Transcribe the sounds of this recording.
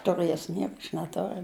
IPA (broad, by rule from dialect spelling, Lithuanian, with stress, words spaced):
tʊˈrɘs ˈnʲiɛkʊ ɐʃ nʲɛˈtoːrʲʊ